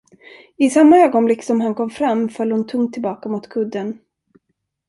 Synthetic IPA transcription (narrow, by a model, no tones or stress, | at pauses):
ɪsamːaøːɡɔnblɪksɔmɦankʰɔmːfɾamːfœlːhʊnt̪ʰɵŋt̪ʰːɪlbɑːkamʊt̪kʰɵd̪ːən